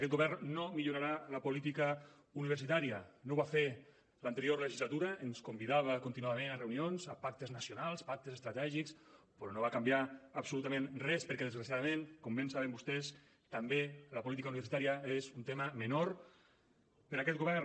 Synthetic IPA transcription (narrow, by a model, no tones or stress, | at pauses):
akɛt̪̚ɡoβɛrnːomiʎuɾaɾaləpulit̪ikə | uniβ̞əɾsit̪aɾiənoβafe | lant̪eɾioɾləʒizlat̪uɾəenskumbiðaβəkunt̪inuaðamenareunionzəpak̚t̪əznəsjonalˠspak̚t̪əzest̪ɾat̪ɛʒiks | pɾɔnoβakambjaəpsulut̪amẽnrɛspəɾkɛðezɾasiaðəmẽnkombensaβembust̪ɛs | t̪ambeləpulit̪ikauniβ̞ɾsit̪aɾiəezunt̪eməmənoɾ | pəɾakɛt̪̚ɡuβɛr